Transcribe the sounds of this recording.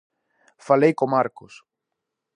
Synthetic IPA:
falejkomaɾkos

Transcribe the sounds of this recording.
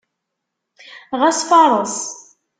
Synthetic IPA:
ʁæsfɑɾˤəs

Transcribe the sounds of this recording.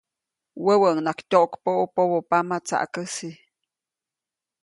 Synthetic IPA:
wəwəəŋnakt̪ʲoʔokpoʔupowopamat͡sa̰ʔkəsi

